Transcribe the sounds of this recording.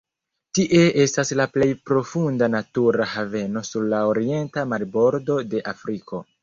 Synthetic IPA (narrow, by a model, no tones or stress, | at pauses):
tiʔe̞e̞staslaple̞jpɾo̞fundanatuɾahave̞no̞suɾlaoɾie̞ntamaɾbo̞ɾdo̞de̞ʔafɾiko̞